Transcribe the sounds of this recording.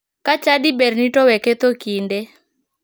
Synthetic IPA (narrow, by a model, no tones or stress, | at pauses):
kat͡ʃadibɛrnitɔwɛkɛt̪okindɛ